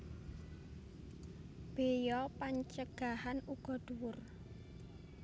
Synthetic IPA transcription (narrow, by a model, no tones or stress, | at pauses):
b̥ejɔpaɲt͡ʃəɡ̥a̤hanuɡ̥ɔ̤d̪̥uwʊr